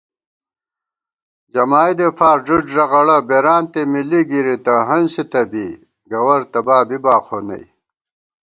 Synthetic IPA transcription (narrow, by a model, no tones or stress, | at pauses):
d͡ʑɐmaːjd̪efaːɾʐuʈʐɐɣɐɽɐbeɾaːnt̪emiliɡiɾit̪ɐɦɐnsit̪ɐbi | ɡɐwɐɾt̪ɐbaːbibaːqʰonɐ̰j